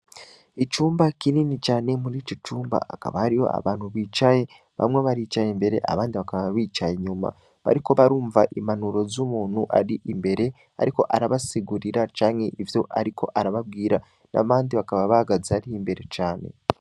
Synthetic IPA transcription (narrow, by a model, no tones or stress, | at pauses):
it͡ʃuːmbakininit͡ʃaːne̞muɾiːt͡ʃot͡ʃuːmba̰aka̰βahaɾiho̞̰a̰βaːnhuβiːt͡ʃaje̞ | βa̰mŋeβaɾit͡ʃajembe̞ɾe̞̰ʔa̰βaːndiβakaβaβiːt͡ʃajeɲuma̰ | βa̰ɾiko̞βaɾuːɱvaʔimanuɾo̞zumuːn̥huʔa̰ɾiʔimbe̞ɾe̞ | a̰ɾiko̞ʔaɾaβasiɡuɾiɾat͡ʃaːŋhe̞ʔivjo̞ʔaɾikʰo̞̰ʔaɾaβab̚ɡiːɾa | na̰βaːndiβakaβaβaɡazaɾihimbe̞ɾe̞t͡ʃaːne̞̰